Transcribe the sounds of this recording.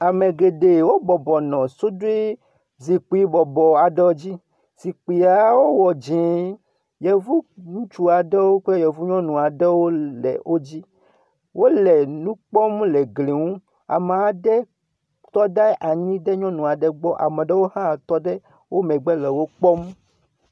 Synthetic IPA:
a˨me˨ɡe˨ɖe˨wo˦bɔ˨bɔ˨nɔ̃˨so˦do˦e˦ | zi˨k͡pi˦bɔ˨bɔ˨a˨ɖɛ˦wo˦d͡ʑi˦ | z̥i˨k͡pi˨a˨wo˦wɔ˨d͡ʑi˨˦ | jɛ˨vu˦nũ˦t͡ʃu˦a˨ɖɛ˦wo˦k͡pɛ˦jɛ˨vu˦ɲɔ̃˦nũ˨a˨ɖɛ˦wo˦lɛ̰˨wʔo˦d͡ʑi˦ | wʔo˦lɛ˨nũ˦k͡pɔ˦mlɛ˨ɡle˨ŋũ˦ | a̰˨me˨a˨ɖɛ˦ | t̪ɔ˦ɖɛ˦ʔa˨ɲĩ˦ɖɛ˦ɲɔ̃˦nũ˨a˨ɖɛ˦ɡ͡bɔ˦ʔa̰˨mɛ̃˨ɖɛ˦wo˦hã˦˨t̪ɔ˦ɖɛ˦ | wʔo˦mɛ̃˨ɡ͡bɛ˦lɛ˨wo˦k͡pɔ˦m

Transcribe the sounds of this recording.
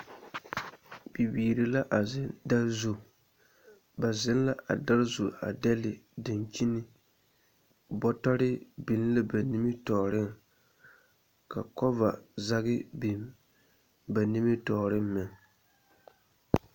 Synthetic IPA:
bi˨biː˨ɾɪ˨la˦ʔa˨ɪ˦da˦zu˨ | ba˨zɪ˦n˦la˦ʔa˨da˦ɾzu˨a̰˨dɛ˦lɪ˨dɪ˨nt͡ʃi˦nɪ˦ | bɔ˦tɔ˦ɾɪ˦bi˨n˦la˦ba˨ni˦mɪ˦tɔː˨ɾɪ˦ŋ | ka˨kɔ˦va˨za˦ɣɪ˦bi˨n | ba˨ni˦mɪ˦tɔː˨ɾɪ˦m˦mɪ˨ŋ

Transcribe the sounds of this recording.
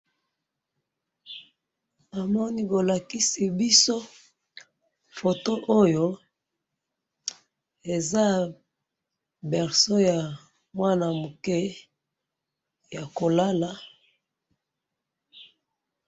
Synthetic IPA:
a˨mɔ˦ni˦ko˨la˨ki˦si˨bi˦so˦ | fo˨to˦ʔo˦jo˦ | e˨za˦ | bɛ˨ʁso˦ja˨ | mwa˦na˨mu˨ke˦ | ja˨ko˨la˦la˨

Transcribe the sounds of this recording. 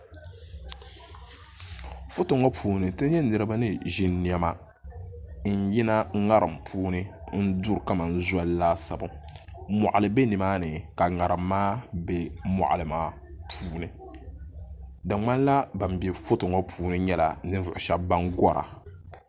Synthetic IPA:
fʊ˦tʊ˨ŋo˦pʰuː˨nɨ˨tɨ˦ɲɛ˦nɨ˨ɾɨ˦ba˦nɨ˦ʒi˨nni˨ɛ˦ma˨ | n̩˨ji˦na˦ŋa˦ɾɨ˨mpʰuː˦nɨ˦n̩˦du˦ɾka˦ma˨n̩˦za˦llaː˦sa˨ba˨mɔ̰˨ʔa˨lɨ˨be˦nɨ˨maː˦nɨ˨ka˨ŋa˨ɾɨ˨mːaː˦be˦mɔ̰˨ʔa˨lɨ˨maː˦ | pʰuː˦nɨ˨ | da˨ŋ͡ma˦n˦la˦ba˨m˨bɛ˨fʊ˦tʊ˨ŋɔ˦puː˦nɨ˦ɲɛ˦la̰˨nɨ˦n˦vʊ˨ʔʊ˨ʃa˦ba˦ŋɡɔ˦ɾa̰˨

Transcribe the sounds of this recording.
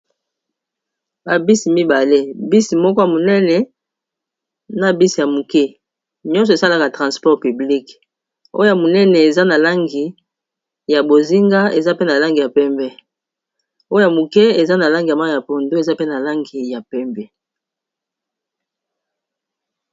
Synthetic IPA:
ba˨bi˦si˨mi˦ba˨le˦bi˦si˨mɔ˦kɔ˦ja˨mo˨nɛ˦nɛ˨ | na˨bi˦si˨ja˨mu˨kɛ˦ | ɲɔ˦ns̬ɔ˨e˨sa˦la˨ka˨tʁã˨spɔ˦ʁpy˨bli˦k | o̰˦o˦ja˨mo˨nɛ˦nɛ˨e˨za˦na˨la˦ŋɡi˨ | ja˨bo˨zi˦ŋɡa˦e˨za˦pe˦na˨la˦ŋɡi˨ja˨pɛ˦mbɛ˦ | o˦o˦ja˨mu˨kɛ˦e˨za˦na˨la˦ŋɡi˨a˨ma˦˨ja˨po˨ndo˦e˨za˦pe˦na˨la˦ŋɡi˨ja˨pɛ˦mbɛ˦

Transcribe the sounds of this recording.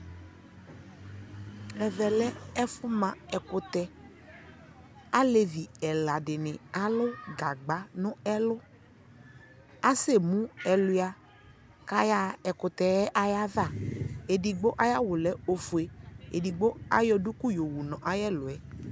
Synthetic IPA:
ɛ˨vɛ˨lɛ˦ɛ˦fʊ˦mã˨ɛ˨kʊ˨t̪ɛ˨ | a˦le˨vi˨ɛ˨la˨ɖɪ˨nɪ̃˨a˦lʊ˦ɡa˨ɡ͡ba˨˦nʊ̃˦ɛ˦lʊ˦ | a˦se˦˨mũ˦ɛ˨lʊ˨˦a˨ | ka˦ja˨ɛ˨kʊ˨t̪ɛ˨ɛ˦ʔa˦ja˦va˦˨e˨di˨ɡ͡bo˦ʔa˦ja˦wʊ˨lɛ˦o˨fu˨e˨ḛ˨di˨ɡ͡bo˦a˦jɔ˦du˦ku˦jo˨wu˨nɔ̃˨ʔa˨jɛ˦lʊ˨ɛ˨

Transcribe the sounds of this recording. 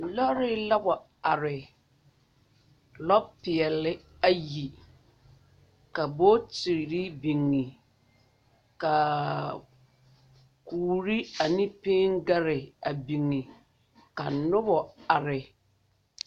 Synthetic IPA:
lɔ˦ɾɪ˦la˦bɔ˨ | a˨ɾɪ˨ | lɔ˦pɪ˨ɛ˨lɪ˦ | a˦ji˨ | ka˨bo˦ti˨ɾɾi˦bi˨ŋːi˨ | ka˨ | kuː˨ɾi˦a˨nĩ˦pe˦ŋɡa˦ɾɪ˨a˨bi˨ŋːi˨ | ka˨nʊ˦bɔ˨a˨ɾɪ˨

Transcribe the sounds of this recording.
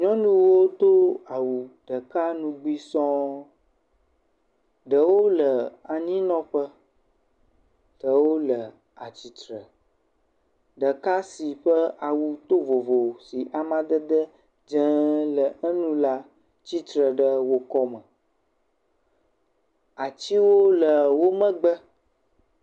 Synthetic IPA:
ɲɔ̃˦nũ˦wo˦t̪o˦a˨wu˨ɖə˨ka˦nũ˦ɡ͡bi˦sɔ̃˦ | ɖə˨wo˦lə˨a˨ɲĩ˦nɔ̃˦ɸə˦ | d̥ə˨wo˦lə˨ | a˨t͡ɕi˨t̪ɾə˨ | ɖə˨ka˦si˨ɸə˦a˨wu˦t̪o˦vo˨vo˨si˨ʔa˨mã˦d̪ə˦d̪ə˦ | d͡ʒə̃˦lə˨ə˦nũ˦la˦ | t͡ɕi˦t̪ɾə˨ɖə˦wo˦kɔ˦mə̃˨ | a˨t͡ɕi˦wo˦lə˨wo˦mə̃˦ɡ͡bə˦

